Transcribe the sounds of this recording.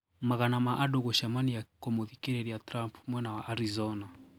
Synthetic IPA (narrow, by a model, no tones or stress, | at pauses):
maɣanamaʔadɔɣɔʃamanijakɔmɔðikiɾɛɾijatɾampmwɛnawaʔaɾizɔna